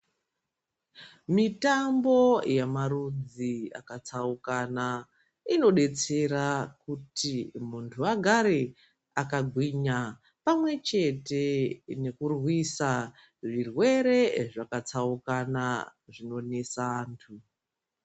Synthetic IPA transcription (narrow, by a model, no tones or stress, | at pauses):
mitambo̞jamaɾud͡zia̰kat͡saukana | ino̞ɗe̞t͡se̞ɾakutimuntʰuaɡʱaɾe | akaɡʱwiɲa | pamwe̞t͡ʃe̞te̞ne̞kurwisa | ʐirwe̞ɾe̞ʐakat͡saukanaʐino̞nesaːntʰu